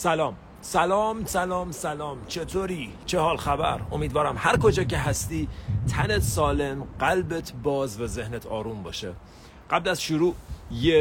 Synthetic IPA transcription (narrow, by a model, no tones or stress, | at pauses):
sælɒːm | sælɒːmsælɒːmsælɒːmt͡ʃʰe̞t̪ʰoɾiː | t͡ʃʰehɒːlxæbæ̰ɾo̞̰miːd̪vɒːɾæmhæɾkod͡ʒɒːce̞ɦæst̪iːt̪ʰænet̪ʰsɒːlemɢælbet̪ʰbɒːzvæzehnet̪ʰɒːɾuːmbɒ̰ːʃe | ɢæblæzʃuɾuːje